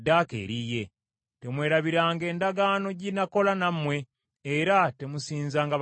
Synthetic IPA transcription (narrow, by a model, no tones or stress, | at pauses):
dːakḛːɾije̞ | te̞mwe̞ːɾaβiɾaːŋɡe̞ːndaɡaːno̞ɟinako̞lanamwe̞ː | ɾate̞musiːnzaːŋɡa